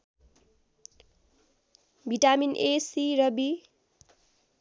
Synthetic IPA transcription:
bʱiʈaminʔesiɾʌbi

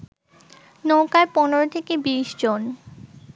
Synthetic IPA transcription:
nowkaepɔnoɾot̪ʰekebiʃd͡ʑon

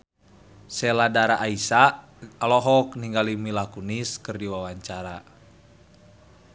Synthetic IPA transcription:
sɛladaɾaʔaisa | alɔɦɔkniŋɡalimilakuniskɨrdiwawaɲt͡ʃaɾa

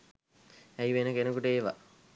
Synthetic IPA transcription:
æjʋenəkenəkuʈəeʋa̰

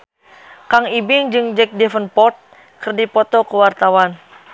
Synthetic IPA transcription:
kaŋibɪŋd͡ʒɨŋd͡ʒɛk̚dɛfənpɔrt̪̚ | kɨrdipɔt̪ɔkəwart̪awan

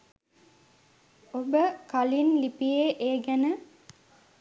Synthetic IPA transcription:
obəkalinlipieːʔeːɡenə

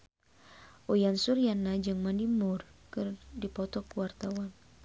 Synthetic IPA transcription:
ʔojansurjanːad͡ʒɨŋmanimʊrkɨrdipɔt̪ɔkuwart̪awan

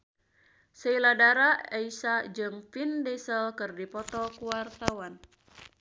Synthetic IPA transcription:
səiladaɾaɛisad͡ʒɨŋfindɛsəlkɨrdipɔt̪ɔkuwart̪awan

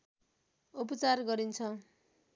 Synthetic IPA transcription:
up̬ʌt͡sarɡʌɾint͡sʰʌ

